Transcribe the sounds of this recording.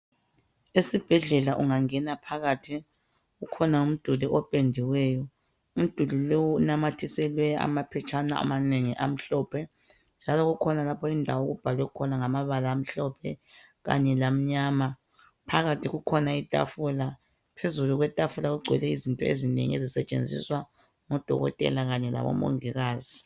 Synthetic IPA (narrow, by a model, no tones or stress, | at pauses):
esib̥ʱɛɮɛlaʔuŋaŋɛnapʰaɣatʰi | ɣukʰɔnaum̩d̥ʱuliʔɔpʼendʱiwɛjɔ | um̩d̥ʱulilowunamatʰisɛlwɛa̰mapʰɛt͡ʃʰʼanaa̰maneŋiʔa̰m̩ɬɔːpʰɛ | nd͡ʒʱalɔɣukʰɔnalapʰɔindʱawoɣub̥ʱalwɛkʰɔnaŋamaβalaːm̩ɬɔpʰɛ | ɣa̰ɲɛlam̩ɲaːma | pʰaɣatʰiɣukʰɔnaitʼa̰fula | pʰezuluɣwɛtʼafulaɣuɡ͡ǀʱwɛlɛizintʼɔezinḛŋiezisɛt͡ʃʼḛnd͡zʱḭswa | ŋɔd̥ʱɔ̰ɣɔ̰tʼɛ̰laɣaɲɛla̰βɔ̰mo̰ŋiɣaːzi